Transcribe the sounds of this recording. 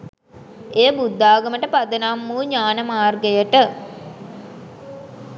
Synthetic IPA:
eːəbud̪ːaːɡəməʈəpad̪ənamːuːɲaːnəmaːrɡəjəʈə

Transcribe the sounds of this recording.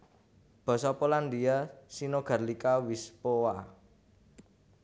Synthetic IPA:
b̥ɔ̤sɔpoland̪iasinoɡ̥a̤rlikawispowa

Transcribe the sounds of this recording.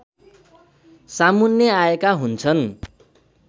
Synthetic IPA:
samunjʌaekaɦunt͡sʰʌn

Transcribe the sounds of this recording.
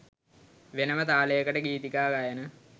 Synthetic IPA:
ʋenəmət̪aːləjəkəʈəɡiːt̪ikaːɡajənə

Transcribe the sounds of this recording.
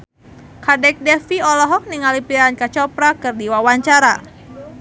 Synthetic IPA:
kadɛk̚dɛfiɔlɔɦɔk̚niŋalipiɾankat͡ʃɔpɾakɨrdiwawaɲt͡ʃaɾa

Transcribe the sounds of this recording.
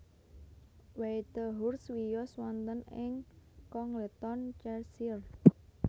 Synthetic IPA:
wet̪əɦurswijɔswɔnt̪ənɪŋkɔŋlet̪ɔnt͡ʃɛrsir

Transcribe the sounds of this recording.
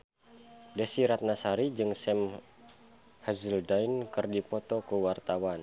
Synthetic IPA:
desiɾat̪̚nasaɾid͡ʒɨŋsɛm | hazəldainkɨrdipɔt̪ɔkəwart̪awan

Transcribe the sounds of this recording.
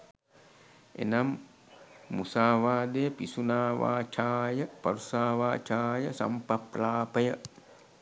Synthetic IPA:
ḛnamː | usaːʋaːd̪ejəpisunaːʋa̰ːt͡ʃʰaːjəpɐɾusaːʋaːt͡ʃaːjəsa̰mpapɾaːpəjə

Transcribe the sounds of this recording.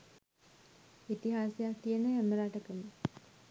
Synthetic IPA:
it̪iɦaːsejak̚t̪ijənəɦæməɾaʈəkəlu

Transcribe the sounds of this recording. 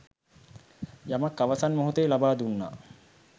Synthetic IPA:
jamakːaʋasanmoɦut̪eːlabaːd̪unːa̰

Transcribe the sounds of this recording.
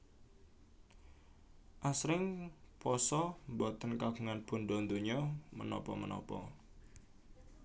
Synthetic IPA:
ʔasɾɪŋpɔsɔmbɔt̪ənkaɡ̥ṳŋanpund̪ɔnd̪oɲɔmə̰nɔ̰pɔ̰mə̰nɔ̰pɔ̰

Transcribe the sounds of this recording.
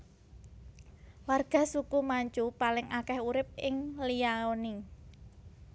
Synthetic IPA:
warɡ̥a̤sukumaɲt͡ʃupalɪŋʔakɛhuɾɪp̚ʔɪŋliaoni

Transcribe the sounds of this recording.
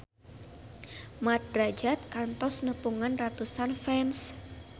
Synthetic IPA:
mat̪̚rad͡ʒat̪̚kant̪ɔsnəpuŋanrat̪usanfɛns

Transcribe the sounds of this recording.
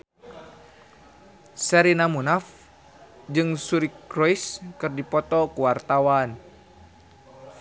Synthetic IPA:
sɛɾinamunaf | d͡ʒɨŋsuɾikɾɔiskɨrdipɔt̪ɔkuwart̪awan

